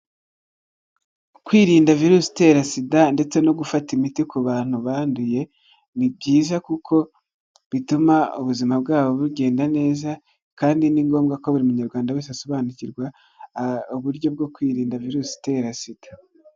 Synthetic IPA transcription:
kwiːɾiːndaviɾusi̥te̞ɾasidande̞t͡se̞no̞ɡufatimitikuβaːn̥uβaːnduje̞ | nib̚ɟiːzakukʰo̞ | βitumaṵβuzimab̚ɡaːβo̞βuɡe̞ːndane̞ːza | kaːndiniŋɡo̞ːmɡako̞βuɾimuɲaɾɡwaːndaweseaso̞βaːnuciɾɡwa | uβuɾɟo̞b̚ɡo̞kwiːɾiːndaviɾusi̥teɾasid̥ḁ

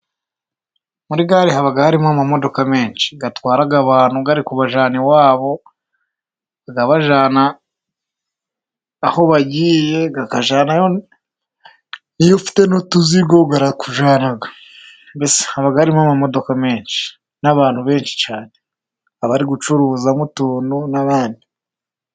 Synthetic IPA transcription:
muɾiɡaːɾihaβaɡahaɾimamamo̞do̞kame̞ːnʃi̥ɡatwaːɾaɡaβaːn̥huɡaɾikuβaʒaːniwaːβo̞ | aɡaβaʒaːna | ho̞βaɟiːje̞ɡakaʒaːnajo | nijofi̥te̞nutuziɡoɡaɾakuʒaːnaɡa | bese̥haβaɡaɾimamamo̞do̞kame̞ːnʃi̥ | naβaːn̥huβe̞ːnʃi̥t͡ʃaːne | aβaɾiɡut͡ʃuɾuzamutuːnunaβaːndi

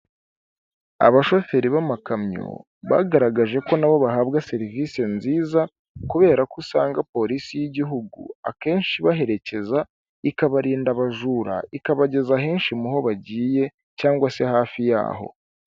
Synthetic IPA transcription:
a̰βaʃo̞fe̞ɾiβamakamɲo̰ | βa̰ɡaɾaɡaʒe̞ko̞naβo̞βaɦaːβɡase̞ɾivise̞nziːza | kuβe̞ːɾakusaːŋɡapo̞ɾisijiɟiɦuɡṵa̰ke̞ːnʃiβaɦe̞ɾe̞ce̞za | ikaβaɾiːndaβaʒuːɾa̰ikaβaɟe̞zaɦe̞ːnʃimuɦo̞βaɟiːje̞ | caːŋɡwase̞haːfija̰ːɦo̞̰

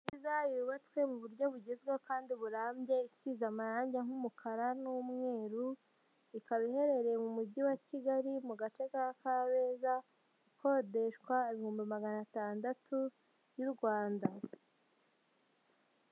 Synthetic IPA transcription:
nizajuβat͡skwe̞muβuɾɟo̞βuɟezɡwekaːndiβuɾaːmbje̞isizamaɾaːɲɟeŋ̥humukʰaɾanumŋe̞ːɾu | ikaβihe̞ɾe̞ɾemumuɟiwaciɡaɾimuɡat͡ʃe̞kakaβe̞ːza | ikʰo̞ːde̞ʃkwaeβihuːmbimaɡanataːndatʰu | βjuɾɡwaːnda

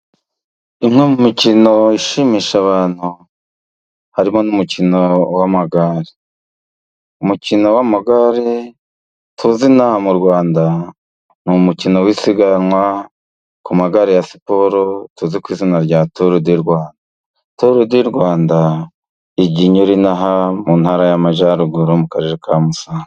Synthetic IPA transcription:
imŋemumicino̞iʃimiʃaβaːn̥hu | haɾimo̞numucinowamaɡaːɾi | mucino̞wamaɡaɾi | tʰuzinamuɾɡwaːnda | numucino̞wisiɡanŋwa | kumaɡaɾijasi̥po̞ɾotuzikwiːzinaɾɟatoɾodiɾɡwaːnda | toɾudiɾɡwaːnda | iɟiɲoɾinaɦamun̥haːɾajamaʒaɾuɡuɾomukaɾe̞ɾekamusaːn

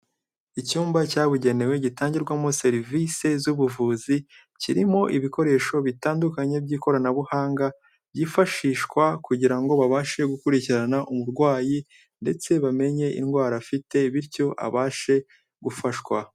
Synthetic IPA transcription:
icuːmbacaːβuɟe̞ne̞we̞ɟitaːɲɟiɾɡwamo̞se̞ɾvise̞zuβuvuːzi | ciɾimo̞ʔiβiko̞ɾe̞ːʃo̞βitaːndukaɲe̞bɟiːko̞ɾanaβuhaːŋɡa | bɟifaʃiːʃkwakuɟiɾaŋɡo̞βaβaːʃe̞ɡukuɾiciɾanaʔumuɾɡwaːji | nde̞t͡se̞βame̞ɲe̞ʔḭnɡwaːɾafite̞iβiɾco̞ʔa̰βaːʃe̞ | ɡufaʃkwa

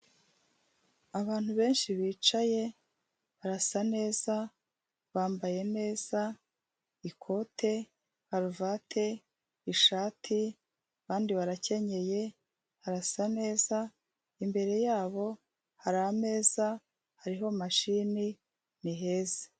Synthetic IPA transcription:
aβaːn̥huβe̞ːnʃiβiːt͡ʃaje̞ | βaɾasane̞ːza | βaːmbaje̞ne̞ːz̥a | ikʰo̞tʰe̞ | haɾuvaːtʰe̞ | iʃaːtʰi | kaːndiβaɾace̞ɲe̞je̞ | haɾasane̞ːza | imbe̞ɾe̞jaːβo̞ | haɾaame̞ːza | haɾiɦo̞maʃini | niɦe̞ːze̥

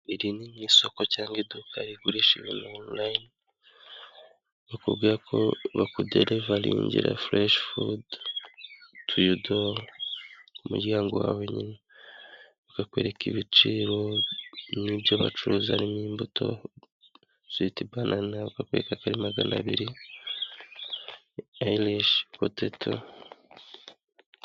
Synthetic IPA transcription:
iɾiniɲiːso̞ko̞caːŋɡedukaɾiɡuɾiʃiβṵnaonlain | βakubɡiːɾakʰo̞̰βakudeɾeβaɾḭːɲɟḭɾa̰fleʃfud | tʰujudol | kumṵɾɟaːŋɡowa̰ːwe̞ɲina | βakakwe̞̰ɾe̞kiβit͡ʃiɾo̞ | nibjoβa̰t͡ʃuɾuzaɾimiːmbutʰo̞̰ | z̥itibɡanʔanaβakakweːɾekakaɾimaɡanaβiɾi | ailiʃkotetʰo̰

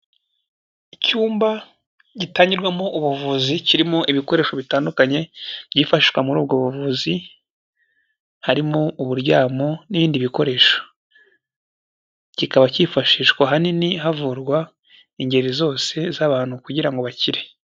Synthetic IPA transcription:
icuːmba | ɟitaːɲɟiɾɡwamoʔuβuvuziciɾimo̞ʔiβiko̞ɾe̞ːʃo̞βitaːndukaɲe̞bɟiːfaʃiʃwamuɾuːbɡoβuvuzi | haɾimo̞uβuɾɟaːmo̞niβiːndiβiko̞ɾe̞ʃo̥ | cikaβacifaʃiːʃkwaɦaniniɦavuɾɡwa | iɲɟe̞ɾizo̞ːse̞zaβaːn̥hukuɟiɾaŋɡo̞βaciɾe̞

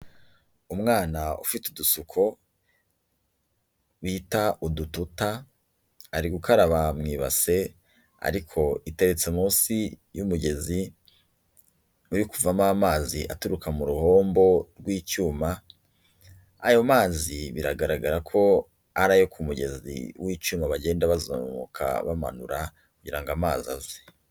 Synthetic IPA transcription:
umŋaːnaṵfitudusukʰo̞ | witaʔudututa | aɾiɡukaɾaβamŋiːβa̰se̞ | a̰ɾikʰo̞ite̞ɾe̞t͡semuːnsijumuɡe̞zi | uɾikuvamaamaːziʔa̰tuɾukamuɾuho̞ːmbo̞ɾɡwiːt͡ʃuːma | ajo̞maːziβiɾaɡaɾaɡaɾakʰo̞ | aɾajokʰumuɟe̞̰zḭwiːt͡ʃuːmaβaɟe̞ːndaβazo̰mo̰kʰa̰βama̰nṵɾa | kuɟiɾaŋɡamaːza̰ze̥

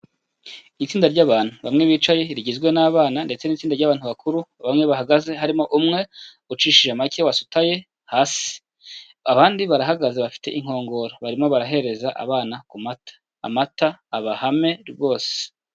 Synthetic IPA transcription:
it͡siːndaɾɟaːβaːn̥uβamŋe̞βiːt͡ʃaje̞ɾiɟizɡwe̞naːβaːnande̞t͡se̞niːt͡siːndaɾɟaːβaːn̥huβakuɾuβamŋe̞βaɦaɡaze̞ɦaɾimo̞ʔumŋe̞ | ut͡ʃiːʃiʒamake̞wasu̥taje̞ | haːsi̥ | aβaːndiβaɾaɦaɡazeβafi̥te̞̰ʔiŋ̥ho̞ːŋɡo̞ɾoβaɾimo̞βaɾaɦe̞ɾe̞zaʔa̰βaːnakumatʰḁ̰ːmataːβahame̞ɾβɡo̞ːse̥

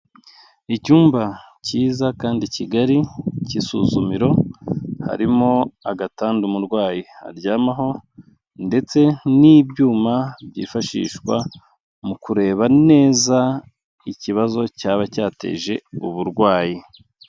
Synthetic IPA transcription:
icuːmbaciːzakaːndiciɡaɾicisṵːzumiɾo̞ha̰ɾimo̞aɡataːndumuɾɡwaːjia̰ɾɟaːmaɦo̞ | nde̞t͡se̞niːbjuːmabjḭːfaʃḭːʃkwa̰ | mukuɾe̞ːβane̞ːza | iciβazo̞caːβacaːte̞̰ːʒe̞uβuɾɡwaːji

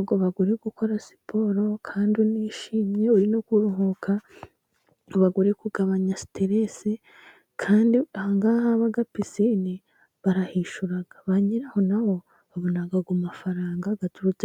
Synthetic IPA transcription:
ɡoβaɡuɾeɡuko̞ɾasi̥pʰo̞ɾo̞kʰaːnduniʃimɲe̞uɾinokuɾuɦukʰa | uβaɡuɾekuɡaβaɲasi̥teɾese | kʰaːndiahaŋɡahaβaɡapisini | βaɾahiʃuɾaɡ̥aβaɲiɾaho̞naβo̞ | βaβo̞naɡaɡumafaɾaːŋɡaɡatuɾut͡se

